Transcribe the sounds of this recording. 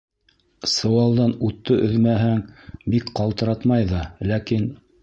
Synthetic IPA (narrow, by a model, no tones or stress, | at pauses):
sɤ̆wɑlˠd̪ɑnut̪ːɤʔɵ̆ðmæɦɘŋbikqɑlˠt̪ɤ̆ɾɑt̪mɑjðɑlækin